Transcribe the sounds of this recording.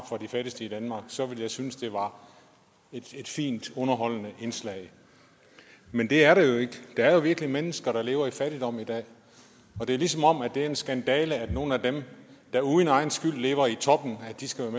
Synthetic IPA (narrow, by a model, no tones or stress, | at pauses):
b̥fɒ̽d̥ifæɾ̥isd̥əid̥ænmɑ̈ːɡ̥sɒ̽ʋe̝ljɑ̈ɪsynəsd̥e̝ʋɑ̈ | ed̥e̝d̥fḭːnd̥ɔ̽nɐɦɒ̽l̰nəʔe̝nslɛɪ | mend̥e̝æɐɾɑ̈jo̝e̝ɡ̥əd̥ɑ̈æɐjo̝ʋiɐɡ̥limenəsɡ̥ɐɾɑ̈le̝̰ːʊɐifæɾ̥id̥ɒ̽m̰id̥ɛ̰ː | ɒ̽d̥e̝ælisɒ̽mɒ̽m̰æd̥e̝æɐe̝nsɡ̥ænd̥ɛːləæd̥no̝ːn̩æd̥emd̥ɑ̈uðˠnɑ̈ɪn̩sɡ̥yl̰le̝̰ːʊɐit͡sʰɒ̽b̥n̩ædd̥isɡ̥æʋæɐme